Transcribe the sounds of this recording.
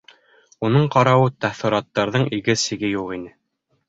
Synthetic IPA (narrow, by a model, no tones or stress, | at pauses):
unɤɴqɑɾɑwɤt̪æθɤ̆ɾɑt̪ːɑɾðɤɴiɡɘsiɡɘjuqinɘ